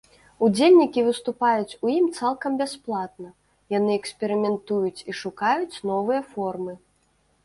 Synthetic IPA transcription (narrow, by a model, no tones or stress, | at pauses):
ud͡zʲelʲnʲikʲivɨst̪upajut͡sʲujimt̪salˠkɐmbʲasplˠat̪̚nɐ | janɨɛksʲpʲɛɾɨmʲɛnt̪ujut͡sʲiʂukajut͡sʲnɔvɨjɐfɔrmɨ